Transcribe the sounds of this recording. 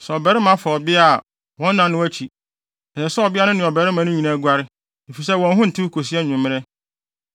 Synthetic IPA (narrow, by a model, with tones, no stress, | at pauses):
sɛ˨ɔ˨bɛ˨ɾɪ˦mã˦fa˨ɔ˨bɪ˦a˦˨ | wɔ̃˦n̩˦nã˨nʊ̃˦æ˦t͡ɕʰi˨ | ɛ˨sɛ˨sɛ˦ɔ˨bɪ˦a˦nʊ̃˦nɪ̃˨ɔ˨bɛ˨ɾɪ˦mã˨nʊ̃˦ɲĩ˨nã˦ɡʷa˦ɾɪ˦ | e˨fi˨s̬ɛ˦wɔ̃˨n˦ɦʊ̃˦n̩˨tʰɪ˦kʰo˨s̬i˦ɛ˦ɲʊ̃˨mːɪ̃˦ɾɛ˦